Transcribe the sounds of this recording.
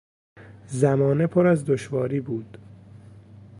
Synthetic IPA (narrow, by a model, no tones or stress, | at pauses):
zæmɒːnepʰoɾæzd̪oʃvɒːɾiːbuːd̪̥